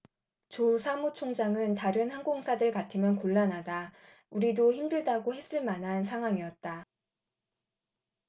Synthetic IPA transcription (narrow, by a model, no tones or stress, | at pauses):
t͡ɕosʰamut͡ɕʰoŋd͡ʑaŋɯntaɾɯnhanɡoŋsʰadɯɭkatʰɯmjʌnkoɭːanɦada | uɾidoçimdɯɭdaɡohe̞s͈ɯɭmanɦansʰaŋɦwaŋijʌt̚t͈a